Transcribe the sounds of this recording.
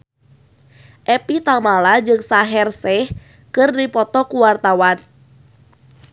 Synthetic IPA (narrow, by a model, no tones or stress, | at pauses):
ʔɛpit̪amalad͡ʒɨŋsaɦɛrsɛh | kɨrdipɔt̪ɔkuwart̪awan